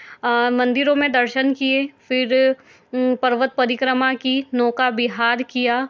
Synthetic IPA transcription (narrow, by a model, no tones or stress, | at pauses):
mɐ̃nd̪ɪɾõmẽd̪ɐɾʃənkiefɪɾ | pɐɾʋət̪̚pɐɾɪkɾəmakinɔːkabɪɦaːɾkijaː